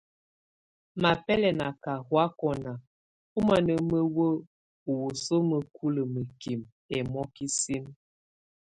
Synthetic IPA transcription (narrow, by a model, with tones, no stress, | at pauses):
ma˨pɛ˦lɛ˨na˨ka˨hwa˦kɔ˨na˨ | u˦ma˨nə˨mə˦wə˦ | u˨wo˨so˦mə˨kʰu˦lə˨mə˨ki˨m | ɛ˨mɔ˦ki˦si˦m